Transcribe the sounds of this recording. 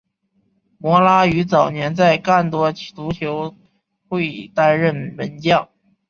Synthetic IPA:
mwɔ˧˥la˥y˧˥t͡sɑ˨˩ʊnjɛ˧˥nt͡sa˥˧ɪka˥˩nt̪wɔ˥t̪u˧˥t͡ɕʰjo˧˥ʊ | xwe˥˩ɪt̪a˥nɻə˥˩nmə˧˥nt͡ɕjɑ˥˩ŋ

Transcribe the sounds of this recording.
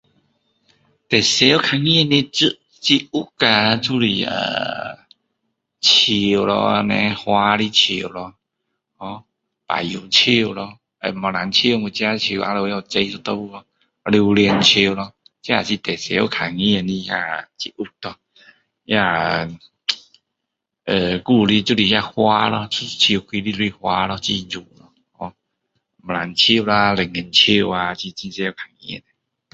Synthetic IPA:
t̪e˨˩se˨˦o˦kʰa˧ŋĩ˧nĩ˧t͡sɨ˧ʔ | t͡ɕi˧u˦ka˧t͡su˦li˧˩ə̰˧˨ | t͡ɕʰi˧˩˨lɔ̰˧nɛ̰̃˧hwa˧li˦t͡ɕʰi˧˩˨wlɔ˧ | hɔ˧˦ | pa̰˨˩u˨˩t͡ɕʰi˧˩˨lɔ˧ | ḛ˧˨mɔ˨˧na˨˦nt͡ɕʰi˧˦˨ŋu˧˩t͡ɕja˧˦t͡ɕʰi˧˩˨ʔa̰˧lə˧˦ja˧˩˨t͡se˧jsɔ˧t̪ɔ˧bu˧lɔ˧ | li˧wli˧nt͡ɕʰi˧wlɔ˧ | t͡ɕja˦˧˨t͡ɕʰi˧˨t̪ɛ˨˩se˨˧˦ɔ˧kʰa˨˩ŋĩ˧˦e˧˨nli˧a̰˧˨t͡ɕi˧ʔu˧k̚t̪ɔ˧˩ | ja˧˨ | ə˧ku˥˧li˦˧t͡ɕu˦˧li˧ja˧hwa˦lɔ˧t͡sʰu˦t͡ɕʰi˧kʰwi˧li˦u˦i˧hwa˧lɔ˧t͡ɕi˧zu˨˩lɔ˧˦ | hɔ˧˦ | mɔ˨la˨˦nt͡ɕʰi˧˨˧la˧lɛ˨˩ŋi˨˩nt͡ɕʰi˥˧˨wa˧t͡ɕi˧t͡ɕĩ˧sɛ˧˦o˦˧kʰa˨˩ŋḭ̃˦˧˨ne˨

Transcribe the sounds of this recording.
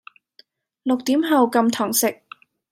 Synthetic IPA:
lʊ˨k̚t̪iː˨˥mɦɐ˨˧wkɐ˧mt̪ʰɔː˨˩ŋsɪ˨k̚

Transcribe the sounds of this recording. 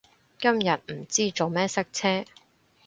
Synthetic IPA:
kɐ˥mjɐ˨t̚m̩˨˩t͡siː˥t͡so˨wmɛː˥sɐ˥k̚t͡sʰɛː˥

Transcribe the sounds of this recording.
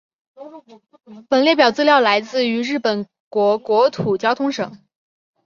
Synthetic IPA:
pə˨˩nljɛ˥˩pjɑ˨˩ʊt͡sɹ̩˥ljɑ˥˩ʊla˧˥ɪt͡sɹ̩˥˩y˧˥ɻɻ̩˥˩pə˨˩n | kwɔ˧˥kwɔ˧˥t̪ʰu˨˩t͡ɕjɑ˥ʊt̪ʰʊ˥ŋʂɤ˨˩˦ŋ

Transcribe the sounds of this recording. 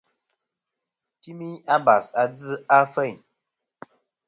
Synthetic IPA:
ti˦mi˦ɲa˦ba˨sa˦d͡zɨ˦a˦fɛ˦˨ɲ

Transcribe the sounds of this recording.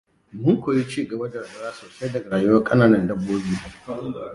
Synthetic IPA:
mʊ˦ŋkʷoː˨ji˦t͡ʃiː˦ɡɐ˨bɐ˦dɐ˨ɾɐ˨bɐ˨ɾaː˦soː˨se˦dɐ˨ɡa˨ɾaː˨jʊ˦wɐ˦kʼɐ˦naː˨nɐ˦ndɐ˦bːoː˦biː˦

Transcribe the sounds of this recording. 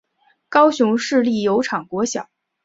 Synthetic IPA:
kɑ˥ʊɕʊ˧˥ŋʂɻ̩˥˧li˥˩jo˧˥ʊʈ͡ʂʰɑ˨˩ŋkwɔ˧˥ɕjɑ˨˩˦

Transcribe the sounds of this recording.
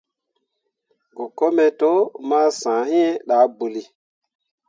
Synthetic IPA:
ɡo˨ko˦mɛ˨to˦maː˦sãː˨hĩ˦e˦ɗa˨˦bu˨li˨

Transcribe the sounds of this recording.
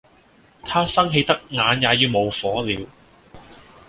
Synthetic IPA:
t̪ʰaː˥sɐ˥ŋɦe˧jt̪ɐ˥k̚ŋaː˨˧njaː˨˧jiː˨˧wmo˨˧wfɔː˨˥liː˨˧w

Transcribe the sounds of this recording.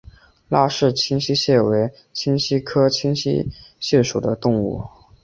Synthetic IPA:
la˥ʂɻ̩˥˩t͡ɕʰi˥ŋɕi˥ɕjɛ˥˩we˧˥ɪ | t͡ɕʰi˥ŋɕi˥kʰɤ˥t͡ɕʰi˥ŋɕḭ˥ɕjɛ˥˩ʂu˨˩d̪ə˦t̪ʊ˥˧ŋṵ˥˩

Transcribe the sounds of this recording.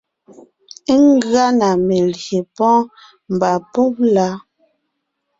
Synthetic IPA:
ŋ˦ɡɰa˦na˨me˨lje˨pɔ̃˦ | m˨ba˨pɔ˦p̚la˨˦

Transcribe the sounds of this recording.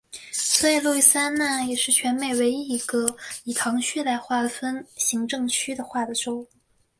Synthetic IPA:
swɔ˧˥i˨˩lu˥˩i˥˩sa˥nna˥˩jɛ˨˩ʂɻ̩˥˩t͡ɕʰɥɛ˧˥nme˨˩ɪwe˧˥ɪi˥˩i˧˥ɡə˧i˨˩t̪ʰɑ˧˥ŋɕʰy˥˧la˧˥˧ɪxwa˥˩d̪ə˩fə˥nɕi˧˥ŋʈ͡ʂɤ˥˧ŋt͡ɕʰy˥d̪ə˨xwa˥˩d̪ə˩ʈ͡ʂo˥ʊ˩

